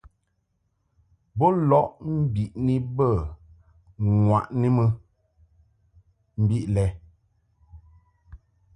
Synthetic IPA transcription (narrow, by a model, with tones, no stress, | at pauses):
bɔ˦lɔ˨˦ʔm̩˦bi˨ʔni˦bə˦˨ | ŋwa˨ʔni˦mə˦ | m̩˦bi˦ʔlɛ˨